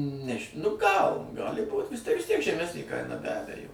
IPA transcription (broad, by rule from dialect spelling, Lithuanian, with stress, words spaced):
ˈnʲæːʒʲɪ nʊ ˈɡɐlˠ ˈɡɑːlʲɪ buːt ʋʲɪs ˈtʲiɛk ʋʲɪs ˈtʲiɛk ʒʲɛˈmʲæːsʲnʲeː ˈkɐɪnɐ bʲɛ ˈɑːbʲɛjoː